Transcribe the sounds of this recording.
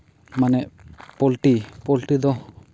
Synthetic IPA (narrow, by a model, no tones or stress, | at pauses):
manɛʔpɔlʈipɔlʈid̪ɔ